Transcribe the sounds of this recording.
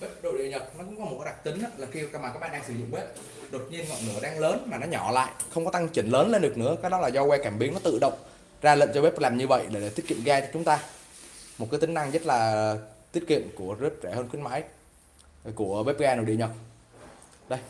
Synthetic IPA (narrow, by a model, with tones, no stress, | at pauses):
ɓe˦˥p̚ɗo̰˧˨ɗḭ˧˨əɲə˨˩t̚nɔ˨˦kʊ̰˧˥ŋ͡mkɔ˨˦mo˨˩t̚kaː˨˦a˨˩k̚t̪ï˨˦ŋʔaː˧˦laː˨˩xi˧maː˨˩kaː˦˥k̚ɓaː˧˨˩ɗaː˧ŋsɨ˧˩˦zʊ̰˧˨ŋ͡mɓe˦˥p̚ | ɗo˨˩t̚ɲi˧ənŋɔ̰˧˨nɨ˨˧˩əɗaː˧ŋləː˨˦nmaː˨˩nɔ˨˦ɲɔ˧˩la̰ː˧˨jʔxə˧wŋ͡mkɔ˨˦t̪a˧ŋt͡ɕï˧˩ŋləː˨˦nle˧nɗɨ˨˩ək̚nɨ̰˧˥əkaː˨˥k̚ɗɔ˨˦laː˨˩zɔ˧wɛ˧ka˧˩mɓi˨˦əŋnɔ˨˦t̪ɨ̰˧˨ɗə̰˧˨wŋ͡m | zaː˧lə̰˧˨nt͡ɕɔ˧e˦˥p̚laː˨˩mɲɨ˧və̰˧˨jɗe˧˩e˨˧˩t̪i˦˥ət̚kḭ˧˨əmɣaː˧t͡ɕɔ˧t͡ɕʊ˨˦ŋ͡mt̪aː˧ | mo˨˩t̚kːaː˨˦t̪ï˨˦ŋ̟na˧ŋzə˦˥t̚laː˨˩t̪i˦˥ət̚kḭ˧˨əmku˧˩əzət̚zɛ˧˩həː˧nxwi˨˦ənma̰ː˧˥˦j | ku˧˩əɓe˦˥p̚ɣaː˧no̰˧˨˩ḭ˧˨əɲə˨˩t̚ | ɗə˧j